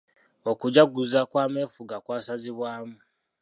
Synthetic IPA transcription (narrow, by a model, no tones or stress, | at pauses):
okuɟaɡuzakwaːmeːfuɡakwaːsaziβwaːmu